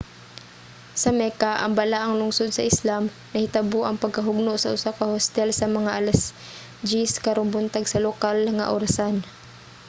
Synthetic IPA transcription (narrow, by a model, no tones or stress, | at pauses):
sɐmɛkaʔɐ̰ŋbɐlaʔɐŋlʊŋsod̪̚sɐʔɪslam | nɐhɪt̪aboʔɐŋpɐɡ̚kɐɦʊɡ̚noʔsɐʔʊsakɐhost̪ɛlsɐmɐŋaʔalɐs | d͡ʒiskɐɾonbʊnt̪aɡsɐlokalŋa̰ʔoɾasan